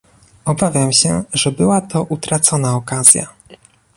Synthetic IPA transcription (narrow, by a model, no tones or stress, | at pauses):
ɔbavʲjamɕɛʐɛbɘwat̪ɔʔut̪ɾat̪sɔnaɔkazʲja̰